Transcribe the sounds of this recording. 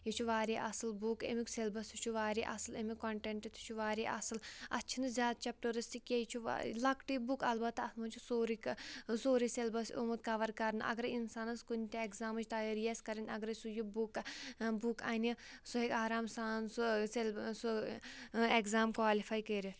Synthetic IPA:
jit͡ʃʰuʋaːɾiʔɐsɨlbukḛmikselbɐsut͡ʃʰuʋaːɾiʔɐ̰sɨlɐmikoɳʈeɳʈit̪ʰi̥t͡ʃʰuʋaːɾiʔɐ̰sɨlɐ̰tːt͡ʃʰinɨzʲjaːd̪̚t͡ʃʰɐp̚ʈuɾɨst̪ikjejt͡ʃʰṵlɐkʈibukɐlbɐt̪ːɐslmɐnt͡ʃʰusoːɾiksoːɾiselbɐsʲumut̪̚kaːʋɐɾkɐɾnɨʔɐ̰ɡɐɾinsaːnɐskunʲt̪ʲeekzaːmɐt͡ʃʰt̪aɾijɐsʲkɐɾinʲɐɡɾɐsujibukbukaːnʲisuɦekʲaːɾaːmsaːnsuselsu | ekzaːmkʋaːlifʰaːjkəːɾi

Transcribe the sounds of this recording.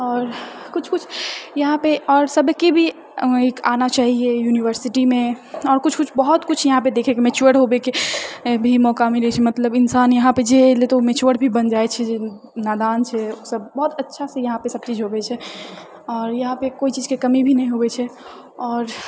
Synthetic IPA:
ɔːɾkut͡ʃʰkut͡ʃʰjəɦãpeɔːɾsəbʱkibʱi | ikanat͡ʃaɦiejuniʋəɾsiʈimẽɔːɾkut͡ʃʰkut͡ʃʰbəɦut̪kut͡ʃʰjəɦãped̪ekʰɛkemɛt͡ʃuəɽɦobekebʱimɔkamiɾɛt͡ʃʰɛmət̪ləbinsanjəɦãped͡ʒelet̪omet͡ʃuəɽbʱibənd͡ʒaɛt͡ʃʰɛd͡ʒe | nad̪ant͡ʃʰɛosəbːɔɦt̪ətːʃʰasẽjəɦãpesəb̚t͡ʃid͡ʒɦobɛt͡ʃʰɛ | ɔːɾjəɦãpekoit͡ʃid͡ʒkekəmibʱinɛɦĩɦobɛt͡ʃʰɛ | ɔːɾ

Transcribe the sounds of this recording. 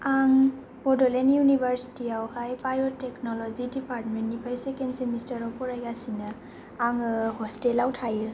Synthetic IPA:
aŋ | bɔdɔlenjunibʱəɾsi̥tiawhajpajɔteknɔlɔzidipaɾt̚mentːipʰajsekensemistaɾɔwpɔɾajɡasina | aŋhɔstelawtʰajil

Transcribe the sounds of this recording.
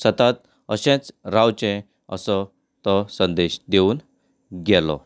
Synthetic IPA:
sət̪at̪ | əɕẽt͡sɾawt͡ɕɛ̃ | ə̰sɔ | t̪ɔsənd̪eɕd̪euːn | ɡɛlɔ̰

